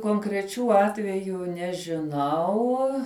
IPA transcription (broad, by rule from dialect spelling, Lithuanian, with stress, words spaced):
koːŋkrʲɛˈt͡ʃʲuː ˈɑːtʲʋʲɛjuː nʲɛʒʲɪˈnɐʊ